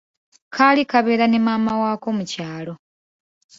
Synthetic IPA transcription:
kʰalikaβe̞ːɾane̞maːmawaːko̞mucaːlo̞

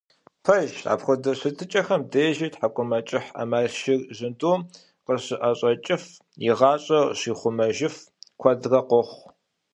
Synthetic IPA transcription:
pʰɐʒa̰ːpxʷʊdɐɕɨtʰɨt͡ʃʼɐxɐmdeːʒiːtħakʷʼʊmɐt͡ʃʼɪħɐ̰maːrʃɪrʑɪndoː | qəɕɪʔɐɕʼɐt͡ʃʼɪf | jɪʁɑːɕʼɐɕiːχʷʊmɐʒɪf | kʷʰɐdrɐqʷɔχʷ

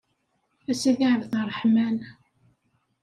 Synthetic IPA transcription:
æsiðiʕvθrˤħmæn

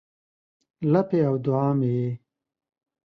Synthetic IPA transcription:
lɐpeawd̪ʊaːmeje

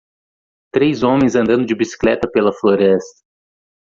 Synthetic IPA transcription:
t̪ɾejzõmẽj̃zɐ̃nd̪ɐ̃d̪ʊd͡ʒɪbisi̥klɛt̪ɐpelɐfloɾɛst̪ɐ̥

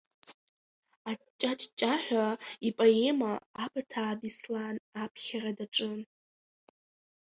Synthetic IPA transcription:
at͡ʃʼːat͡ʃʼt͡ʃʼaħʷᶣaipʼae̞maːbatʰaːdislaːnapʰχʲaradaʈ͡ʂʼɨn

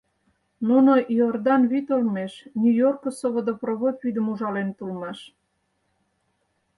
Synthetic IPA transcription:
nunojord̪ɑnβit̪olmeʃnʲujorkosoβod̪oproβopβyd̪əmuʒɑlent̪ulmɑʃ

